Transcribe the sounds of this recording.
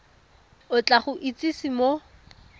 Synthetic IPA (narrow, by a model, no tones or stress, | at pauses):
ʊt͡ɬʼaχʊʔit͡sisɪmo